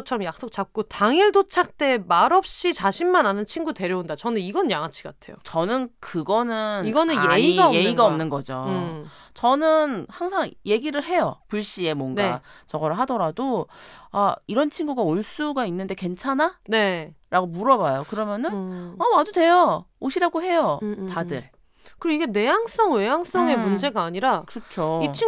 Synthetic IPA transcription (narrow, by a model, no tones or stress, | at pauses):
t͡ɕʰʌɾʌmjak̚s͈ok̚t͡ɕ͈ap̚k͈otaŋiɭdot͡ɕʰak̚t͈e̞maɾʌp̚ɕ͈it͡ɕaɕʰinmananɯnt͡ɕʰinɡute̞ɾjʌundat͡ɕʌnɯniɡʌnnjaŋat͡ɕʰi̥ɡa̰tʰe̞̰jo̰t͡ɕʌnɯnkɯɡʌnɯniɡʌnɯneiɡaeiɡaʌmnɯnɡʌd͡ʑo | t͡ɕʌnɯnhaŋsʰaŋje̞ɡiɾɯɭɦe̞jʌpuɭɕ͈ie̞moŋnat͡ɕʌɡʌɾɯɭɦadʌɾadoaiɾʌnt͡ɕʰiŋɡuɡaoɭs͈uɡainːɯnde̞kwe̞nt͡ɕʰananeɾaɡomuɾʌbajokɯɾʌmjʌnɯnaad͡ʑode̞jʌoɕʰiɾaɡoɦe̞jʌtadɯɭ | kɯɾoiɡe̞ne̞jaŋs͈ʌŋwe̞jaŋs͈ʌŋe̞mund͡ʑe̞ɡaːɲiɾakɯɾʌt͡ɕʰoit͡ɕʰi